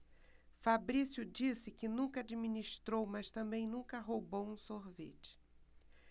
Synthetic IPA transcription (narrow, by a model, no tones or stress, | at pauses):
fabɾisjʊd͡ʒisɪkɪnũkɐad͡ʒiminiʃt̪ɾowmɐst̪ɐ̃mbẽj̃nũkɐɦowbowũsoɾvḛt͡ʃɪ̥